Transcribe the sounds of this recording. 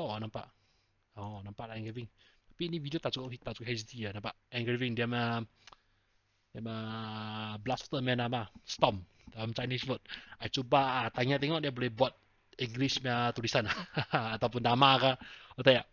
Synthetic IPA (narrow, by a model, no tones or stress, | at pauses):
ɔnampa̰ʔ | ɔnampaʔlaɛŋɡivɪŋ | t̪ḁpiːnividiot̪aʔsukʔt̪aʔsu̥kɦɛst̪ianampaʔɛŋɡɾivɪŋdiamə | diamə | blast̪əmɛnamast̪ɔm | əmt͡ʃajniswət̪̚ʔat͡ʃobaʔt̪aɲat̪ɛŋɔʔdiabolɛhbuat̪̚ | iŋɡlismat̪ulisanaat̪awp̬ʊndamakaot̪ajaʔ